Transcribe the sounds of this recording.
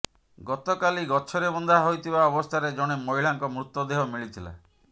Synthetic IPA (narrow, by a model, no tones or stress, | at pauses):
ɡɔt̪ɔkaliɡɔt͡ʃʰɔɾebɔnd̪ʱaɦojt̪ʰibaɔbɔst̪ʰaɾed͡ʒɔɽ̃emoɦiɭaŋkɔmɾut̪ːɔd̪eɦɔmiɭit̪ʰila̰